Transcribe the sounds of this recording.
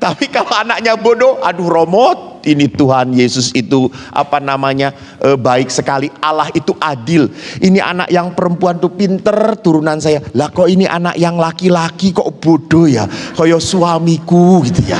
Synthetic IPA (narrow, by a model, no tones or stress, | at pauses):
t̪apikaloanak̚ɲabodoadʊrɔmɔt̪̚init̪uɦanjesʊsit̪uʔa̰panamaɲa | ʔəbaɪk̚səkaliʔalahit̪uʔadɪlʔiniʔa̰na̰ʔjaŋpəɾəmpuant̪upint̪ərt̪uɾunansajalahkɔʔiniʔa̰na̰ʔjaŋlakilakikɔ̰ʔb̥odojakɔjɔsuamikuɡit̪uja̰